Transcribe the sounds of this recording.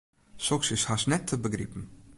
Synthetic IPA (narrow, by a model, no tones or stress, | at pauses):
sɔksɪshasnɛtʰːəbəɡɾḭpn̩